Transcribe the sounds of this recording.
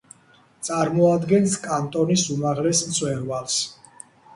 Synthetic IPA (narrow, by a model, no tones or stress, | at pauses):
t̪sʼaɾmɔad̪ɡɛnskʼant̪ʼɔnisumaʁlɛsmt̪sʼʰwɛɾvals